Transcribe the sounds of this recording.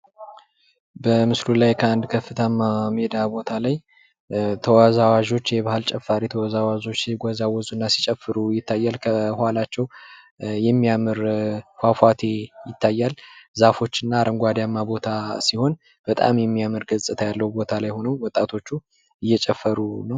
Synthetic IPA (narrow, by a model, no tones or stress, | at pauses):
bəmɨslulajkʰəand̪kʰəfːɨt̪ʰamːamed̪abo̞t̪ʰalaj | t̪ʰəwazawaʒo̞t͡ʃːjɛbahɨlt͡ʃʼɛfːaɾit̪ʰəwazawazo̞t͡ʃːɡʷazawɔzuɨnːasi̥t͡ʃʼɛfːɨɾujɪt̪ʰːajːalkʰəhalat͡ʃːɛw | jɛmːijamɨɾhwafʷat̪ʰejɪt̪ʰːajːalzafo̞t͡ʃːɨnːaɾʔəŋɡʷad̪jamːabo̞t̪ʰasiho̞n | b̥ət̪ʼa̰mjɛmːijamɨɾɡəzsʼɨt̪ʰajalːəwubo̞t̪ʰalajho̞nəwwɔt̪ʼat̪ʰo̞t͡ʃːu | ɨjːɛt͡ʃʼɛfːəɾunəw